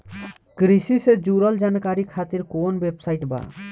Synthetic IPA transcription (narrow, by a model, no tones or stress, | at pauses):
kɾisised͡ʒuɾɔld͡ʒankaɾikʰat̪iɾkonbebsajʈba̰